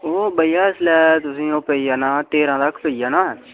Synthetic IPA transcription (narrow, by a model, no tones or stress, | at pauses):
oːbəijaːɪslɛːt̪ʊsĩːoːpəiːjaːnaːt̪eːɾãːt̪əkʰpəiːjaːnãː